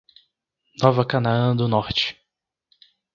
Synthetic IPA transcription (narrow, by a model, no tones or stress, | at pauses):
nɔvɐkɐnaə̃d̪ʊnɔɾt͡ʃɪ̥